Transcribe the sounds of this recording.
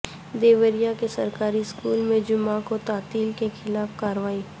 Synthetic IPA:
d̪eːʋəɾijakesɐɾkaːɾiskuːlmẽd͡ʒʊmãkot̪aːt̪iːlkexʰɪlaːfkaːɾʋaːi

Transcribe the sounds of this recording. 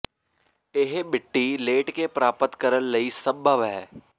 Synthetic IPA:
ɪɦɓɪʈːileːʈkepɾaːpət̪kɐɾəllɐisəbʱəʋɦɛː

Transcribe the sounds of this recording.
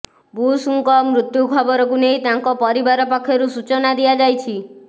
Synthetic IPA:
busuŋkɔmɾut̪jukʰɔbɔɾɔkunejt̪aŋkɔpɔɾibaɾɔpakʰːjɔɾusut͡ʃɔnad̪ijad͡ʒajt͡ʃʰi

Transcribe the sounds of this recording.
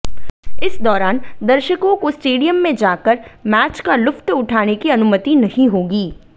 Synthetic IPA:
ɪsd̪ɔːɾaːnd̪ɐɾʃəkõkosʈeːɖijəmːẽd͡ʒaːkəɾmɛːt͡ʃkalʊft̪ʊʈʰaːnekiɐnʊmət̪inɐhĩɦoːɡiː

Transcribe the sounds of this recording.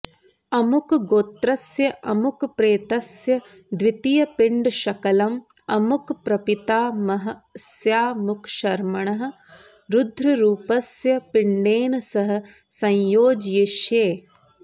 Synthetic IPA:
ɐmukɡoːt̪ɾɐsjɐʔɐmukpɾeːt̪ɐsjɐ | d̪ʋit̪ijɐpɪɳɖʃɐkɐlɐm | ɐmukpɾɐpit̪aːmɐɦɐ̆sjaːmukʃɐɾmɐɳɐɦɐ̆ | ɾud̪ʱɾɐɾuːpɐsjɐpiɳɖeːnɐsɐɦɐ̆ | sɐ̃jjoːd͡ʒjiʃjeː

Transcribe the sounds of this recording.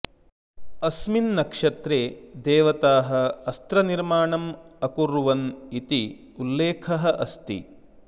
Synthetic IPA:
ɐsminːɐkʂɐt̪ɾeːd̪eːʋɐt̪aːɦɐ̆ɐst̪ɾɐniɾmaːɳɐmɐkuɾuʋɐnit̪i | ulːeːkʰɐɦɐ̆ʔɐst̪ḭ

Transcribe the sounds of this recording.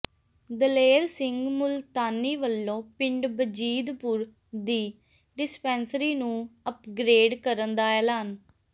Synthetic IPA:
d̪əleːɾsɪŋɡmʊlt̪aːnːiːʋəlːõːpɪɳɖbəd͡ʒiːd̪pʊɾ | d̪iː | ɖɪspɛːnsɾiːnũːəpɡɾeːɖkəɾənd̪aːɛːlaːn

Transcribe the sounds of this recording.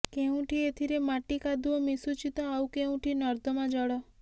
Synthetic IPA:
keũʈʰiet̪ʰiɾemaʈikad̪uɔmisut͡ʃit̪ɔawkeũʈʰinɔɾd̪ɔmãd͡ʒɔɽɔ

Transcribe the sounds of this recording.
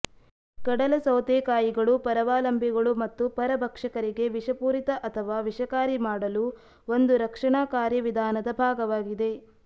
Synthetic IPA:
kɐɽɐlɐsɐwt̪eːkaːjiɡɐɭupɐɾɐʋaːlɐmbʱiɡɐɭumɐt̪ːupɐɾɐbʱɐkʂɐkɐɾiɡe̞ʋiʂɐpuːɾit̪ɐʔɐt̪ʰɐʋaːʋiʂɐkaːɾimaːɽɐlu | ond̪uɾɐkʂɐɳaːkaːɾjɐʋid̪ʱaːnɐd̪ɐbʱaːɡɐʋaːɡid̪e̞

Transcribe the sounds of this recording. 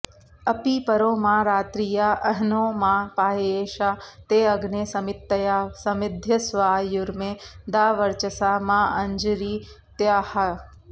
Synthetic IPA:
ɐpiːpɐɾoːmaːɾaːt̪ɾijaːɐɦnoːmãːpaːeːʃaːt̪eːɐɡneːsɐmɪt̪ːɐjaːsɐmɪd̪ʱjɐsʋaːjʊɾmẽːd̪aːʋəɾt͡ʃɐsaːmãːɐɲd͡ʒɾiː | t̪jaːhɐ

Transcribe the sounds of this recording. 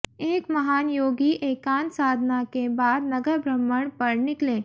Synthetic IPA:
eːkmɐɦaːnjoːɡiʔeːkaːnsaːd̪ʱnakebaːd̪nɐɡəɾbʱɾəmːəɳpəɾnɪklẽː

